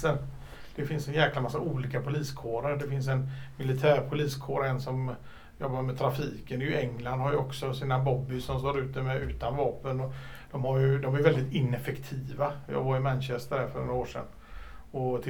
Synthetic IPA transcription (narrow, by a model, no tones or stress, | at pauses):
ən | d̪̥ɛfɪnsɛnjɛːklamasːauːliːkapʰʊliːskʰoːɾəɾɖɛfɪns̬ɛnmɪlɪt̪ʰæːɾpʰʊliːskʰoːɾɛnsɔm | jɔbːamɛt̪ʰɾafiːkənd̪ɛjɵɛŋland̪haɾjʊɔksɔsiːnabɔbːɪsɔmst̪oːɾʉ̟ːt̪əmɛʉ̟ːt̪anvɑːpənɔd̪̥ɔmhaɾjɵd̪ɔmæɾjʏvɛld̪ɪt̪ɪnːɛfɛkt̪ʰiːvajɑ̰ːɡvaɾɪmɛnɕɛst̪əɾæɾfœnoɾaoːʂɛ̰nː | ɔt̪ʰɪ